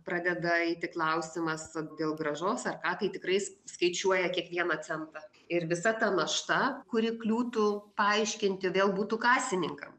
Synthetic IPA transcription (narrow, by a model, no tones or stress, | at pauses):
pɾɑːd̪ʲɛd̪ɐiːt̪ʲɪklˠɐʊsʲɪmɐsd̪ʲeːlˠɡɾɐʒoːsɐrkɑːt̪ɐɪt̪ʲɪkɾɐɪsskɐɪt͡ʃʲuɔjɛkʲiɛkʋʲiɛnɐt͡s̪ʲɛnt̪ɐ | ɪrʋʲɪsɐt̪ɐnɐʃt̪ɐkʊɾʲɪklʲuːt̪ʊpɐɐɪʃʲkʲɪnʲt̪ʲɪʋʲeːlˠbuːt̪ukɑːsʲt̪ʲɪnʲɪŋkɐ̰m